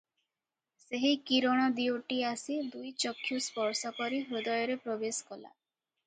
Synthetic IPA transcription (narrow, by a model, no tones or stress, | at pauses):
seɦikiɾɔɽ̃ɔd̪ioʈiasid̪ujt͡ʃɔkʰjuspɔɾsɔkɔɾiɦɾud̪ɔjɔɾepɾɔbeskɔla̰